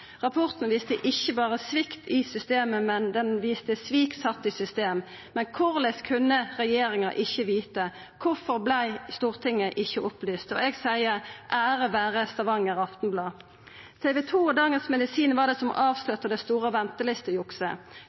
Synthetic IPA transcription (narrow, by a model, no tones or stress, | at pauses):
ʁɑpʰɔʁt̪n̩ʋiːst̪əʔɪçːəbɑːʁəsʋɪkt̪ʰɪsʏst̪eːməmɛnd̪ɛnʋiːst̪əsʋiːksɑt̪ːɪsʏst̪eːm | mɛnkʰʊʁlɛskʰʉnːəʁɛjeːʁɪŋɑʔɪçːəʋiːt̪ə | kʰʊfɔʁblæɪst̪uːʁt̪ʰɪŋːəʔɪçːəʔʊplyːst̪ɔ̰ɛɡsæɪəʁʔæːʁəʋæːʁəst̪ɑʋɑŋːəʁɑft̪n̩blɑː | t̪ʰɛʋɛt̪ʰuːd̪ɑːŋənsmɛd̪ɪsiːnʋɑʁd̪ɛsɔmʔɑːʋslœt̪ːəd̪ɛst̪uːʁəʋɛnt̪əlɪst̪əjʊksə